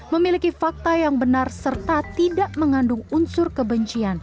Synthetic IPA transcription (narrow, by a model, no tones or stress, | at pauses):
məmilikifak̚t̪ajaŋbənarsərt̪at̪idaʔməŋandʊŋunsʊrkəbəɲt͡ʃian